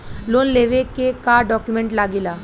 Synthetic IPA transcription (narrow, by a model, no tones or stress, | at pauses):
lonleʋekekaɖɔkjumeɳʈlaɡila